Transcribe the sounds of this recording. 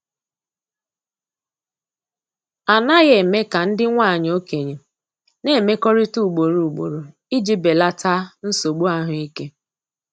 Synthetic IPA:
a˨na˦ɣe˨me˦ka˨n̩˦dɪ˦ŋʷa˦˨ɲ˨o˦ke˨ɲe˨ | ne˦˨me˦kɔ˦ɾɪ˦tu˦˨ɡ͡bo˨ɾu˨u˨ɡ͡bo̰˨ɾo˨ | i˦d͡ʒi˦be˨la˦ta˦n̩˦so˨ɡ͡bu˦a˦ɦʊ˨i˦ke˦

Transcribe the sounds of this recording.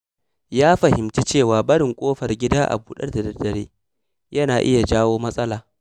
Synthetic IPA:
jaː˦ɸɐ˨hɪ˨mt͡ʃe˦t͡ʃeː˦˨waː˨bɐ˦ɽɪ˨ŋkʷʼoː˦ɸɐ˨rɡʲɪ˦daː˦ʔa̰˨buː˨ɗɐ̰˦rdɐ˨dɐ˨dɐ˨ɽḛː˦ | jɐ˦naː˨ʔɪ˦ja˨d͡ʒaː˦woː˦mɐ˦sʼɐ˦laː˨

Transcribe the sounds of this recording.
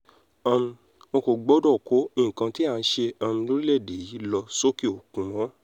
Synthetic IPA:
ã˧mũ˧ | mõ˧ko˨ɡ͡bo˦dɔ˦˨ko˨˦ĩ˦˨kã˧ti˦a˦˨n̩˦ʃe˧ã˧mĩ˧lo˦ɾi˦lɛ˦˨de˨˦˨ji˨˦lɔ˧so˦ki˦o˨kũ˨ɾ̃ɔ̃˨˦

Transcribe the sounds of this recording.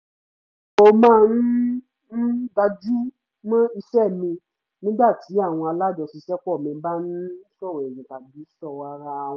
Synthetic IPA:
o˨mãː˦˧n̩˦ | n̩˦ɡa˧d͡ʒu˦ | mã˦i˧ʃɛ˦˨mĩ˧ | nĩ˦ɡ͡ba˦˨ti˨˦a˦˨w̃ɔ̃˧a˧la˦d͡ʒɔ˧si˧ʃɛ˦kɔ˦˨mɛ̃˧ba˦nũ˦sɔ˦˨ɛ˨jĩ˨ta˨bi˨˦sɔ˧˨wa˧˦ɾã˧˨˦

